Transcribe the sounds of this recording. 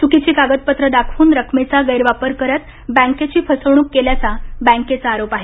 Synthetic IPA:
sukit͡ɕiːkaɡət̪̚pət̪ɾəd̪akʰuːnɾəkʰmet͡saɡəjɾʋapəɾkəɾət̪ | bæ̃ŋket͡ɕiːpʰəsəʋɳuːkːeljat͡sabæ̃ŋket͡saːɾopaɦe

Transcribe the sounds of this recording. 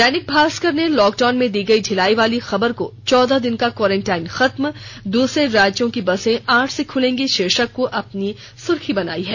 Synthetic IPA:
d̪ɛːnɪk̚bʱaːskəɾnelɔːk̚ɖaːnmẽd̪iːɡɐiɖʱɪlaːiʋaːlixɐbəɾkot͡ʃɔːd̪ad̪ɪnkakwɔːɾẽːɳʈaːɪnxɐt̪md̪uːsɾeɾaːd͡ʒõkibɐsẽaːʈʰsekʰʊlẽːŋɡeʃeːʃəkːoʔɐpni | sʊɾkʰibɐna̰ːiɦɛː

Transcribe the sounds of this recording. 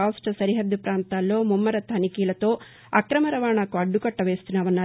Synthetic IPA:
aːsʈɐsɐɾiɦɐd̪ːupɾaːnt̪aːlːo̞ːmumːɐɾɐt̪ʰɐnikiːlɐt̪o̞ː | ɐkɾɐmɐɾɐʋaːɳakuɐɖːukɐʈːɐʋe̞ːst̪unːaːʋɐnːaː

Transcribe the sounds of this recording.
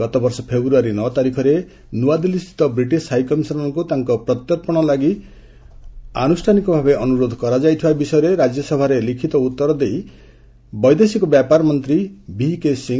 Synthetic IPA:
ɡɔt̪ɔbɔɾsɔpʰebɾuaɾinɔt̪aɾikʰɔɾe | nuad̪ilist̪ʰi̥t̪ɔbɾiʈisʰajkɔmisɔɾɔŋkut̪aŋkɔpɾɔt̪jɔɾpɔɽ̃ɔlaɡi | a̰nusʈʰanikɔbʱabeɔnuɾod̪ʱɔkɔɾad͡ʒajt̪ʰibabisɔjɔɾeɾad͡ʒjɔsɔbʱaɾelikʰit̪ɔut̪ːɔɾɔd̪ej | bɔjd̪esikubjapaɾmɔnt̪ɾibikesiŋ

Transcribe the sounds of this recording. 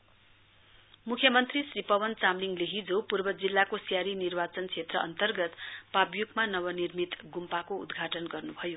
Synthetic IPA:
mukʰjʌmʌnt̪risripʌwʌnt͡samliŋɡleɦid͡zopurbʌd͡zilːakosjaɾinirbat͡sʌnkt͡sʰet̪rʌʔʌ̰nt̪ʌrɡʌt̪pabjukmanʌwʌnirmit̪ɡumpakoṵd̪ɡʱaʈʌnɡʌrnubʱʌjo

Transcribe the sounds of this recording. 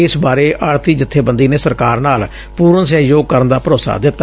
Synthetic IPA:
ɪsbaːɾeːʔʔəːɽt̪iːd͡ʒɪt̪ʰːeːbənd̪iːneːsəɾkaːɾnaːl | puːɾənsaːjoːɡ̚kəɾənd̪aːpəɾoːsa̰ːd̪ɪt̪ːaː

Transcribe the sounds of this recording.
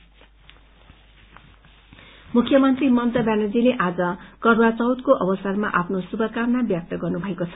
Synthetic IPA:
mukʰːjʌmʌnt̪rimʌnt̪ʌbjanʌd͡zileʔad͡zʌkʌɾwat͡sʌwt̪koʔʌbʌsʌrmaʔapʰnosubʱʌkamnabjʌk̚t̪ʌɡʌrnubʱʌekot͡sʰʌ̥

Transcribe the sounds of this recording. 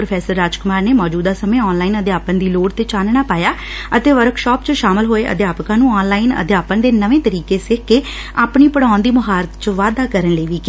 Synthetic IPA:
pɾəpʰɛːsəɾːaːd͡ʒkʊmaːɾneːmɔːd͡ʒuːd̪aːsəmẽːɔːnlaːiːnəd̪jaːpənd̪iːloːɽt̪eːt͡ʃaːnɳaːpaːjaː | ət̪eːʋəɾkʃɔːpt͡ʃəʃaːməlɦoːeːʔə̰d̪jaːpkãːnũːɔːnlaːinə̰d̪jaːpənd̪eːnəʋẽːt̪əɾiːkeːsɪkʰkeː | aːpniːpəɽãːʊnd̪iːməɦaːɾət̪t͡ʃəʋaːd̪aːkəɾənləːʋiːke

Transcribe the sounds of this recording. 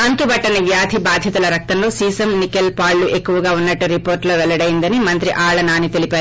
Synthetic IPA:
ɐnt̪ubɐʈːɐniʋjaːd̪ʱibaːd̪ʱjɐt̪ulɐɾɐk̚t̪ɐmlo̞ːsiːsɐmnikelpaːɭːuʔe̞kːuʋɐɡaːunːɐʈːuɾipo̞ːɾʈlo̞ːʋɛɭɐɽɐjind̪ɐnimɐnt̪ɾiʔaːɭɐnaːnit̪e̞lipaːɾu

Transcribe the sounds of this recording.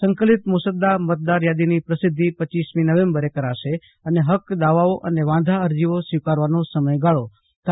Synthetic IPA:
səŋkəlit̪musəd̪amət̪̚d̪aɾjad̪inipɾəsɪd̪ʱːipət͡ʃːisminəʋẽmbəɾekəɾaʃe | əneɦəkd̪aʋaoʔəneʋãd̪ʱaəɾd͡ʒiʋosʋikaɾʋanosəməjɡaɭo | t̪

